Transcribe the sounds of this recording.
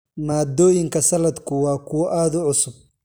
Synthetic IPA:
maːd̪ɔːjɪŋkʰɐsɐlɐd̪kʰʊwɑːkʰʊwɔʔaːðʊʕʊsʊb̚

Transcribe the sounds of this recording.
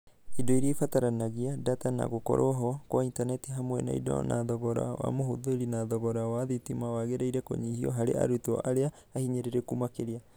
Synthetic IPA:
idoiɾifataɾanaɡiadatana̰ɡoko̰ɾʔoɦokoaintanetiɦamuḛna̰ḭdo̰nʔadoɡoɾa̰oa̰mohud̪oiɾinad̪oɡoɾaaðitimawaɡeɾejɾeko̰ɲihio̰ɦaɾea̰ɾutuoʔaɾeaːhiɲeɾeɾekumakeɾia

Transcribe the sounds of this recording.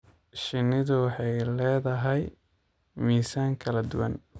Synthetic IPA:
ʃɪnɪðʊwɑħɑjlɛːðɐɦɛj | miːsaːŋkʰɐlɐd̪ʊwɐ̰n

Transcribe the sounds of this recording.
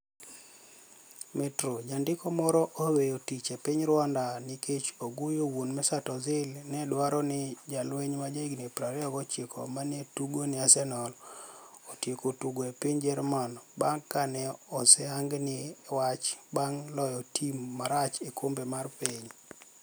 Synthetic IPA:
mɛtɾod͡ʒandɪkɔmɔɾɔʔowejotit͡ʃepɪɲɾwandaniket͡ʃoɡojowonmɛsatɔzɪlnɛdwaɾɔnɪd͡ʒalweɲmad͡ʒaiɡnepɾaɾɛɔɡɔt͡ʃekʰɔ̰manetuɡonɪasɛnɔl | otjekotuɡɔepiɲd͡ʒɛɾmanbaŋkːanɛɔsɛaŋɡnɪwat͡ʃbaŋlɔjɔtʰimːaɾat͡ʃekʰombemarpeɲ

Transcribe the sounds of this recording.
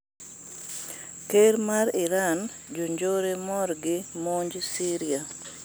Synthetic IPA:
keɾmaɾɪɾan | d͡ʒoɲd͡ʒoɾemɔɾɡɪmoɲd͡ʒsiɾia

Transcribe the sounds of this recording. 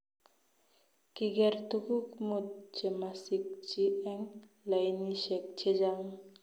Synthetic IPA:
kiɡɛɾt̪uɡukmut̪̚t͡ʃemasik̚t͡ʃiɛŋ | lajniʃɛk̚t͡ʃʰed͡ʒaŋ

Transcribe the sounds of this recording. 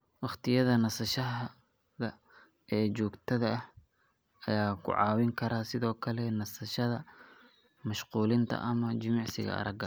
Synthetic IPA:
wɑχt̪ʰɪjɐðɐnɐsɐʃɐɦ | ðɐ | ɛːt͡ʃɔːɡt̪ʰɐðɐɐh | ɐjaːkʰʊ̰ʕɑ̰ːwɪŋkʰɐɾaːsɪðɔːkʰɐlɛnɐsɐʃɐðɐ | mɐʃquːlɪnt̪ʰɐ̰ʔɐmɐt͡ʃɪmɑʕsɪ̰ɣɐ̰ʔɐ̰ɾɐɡɐ

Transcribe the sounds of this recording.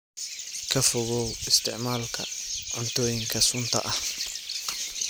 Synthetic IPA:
kʰɐfʊɣɔwɪst̪ʰɪʕmaːlkʰɐ̰ʕʊnt̪ʰɔːjɪŋkʰɐsʊnt̪ʰɐ̰ʔɐh

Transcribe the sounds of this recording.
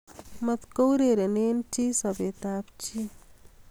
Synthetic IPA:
mɐt̪kowɾeɾenent͡ʃisɐbet̪aːpt͡ʃi

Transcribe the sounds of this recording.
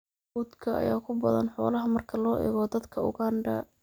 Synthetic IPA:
uːd̪kʰɐɐ̰jaːkʰʊbɐðɐ̰nħɔːlɐɦɐmɐrkʰɐlɔːʔɛ̰ːɣɔːd̪ɐd̪kʰɐʊ̰ɣaːɳɖɐ̰

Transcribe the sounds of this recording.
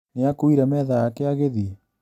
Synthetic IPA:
neakoiɾamɛðajakeaɣeði

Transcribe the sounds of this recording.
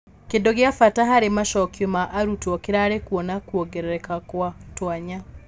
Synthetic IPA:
kendoɣeafataɦaɾemaʃɔkjomaʔːɾutwɔkeɾaːɾekuɔnakuɔɡɛɾɛɾɛkakwatwaɲa

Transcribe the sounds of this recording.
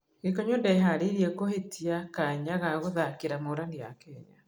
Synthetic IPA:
ekɔɲondaeɦaɾiɾiekohetʰiakaɲaɣaɣoðakeɾamoɾanea̰kɛɲa̰

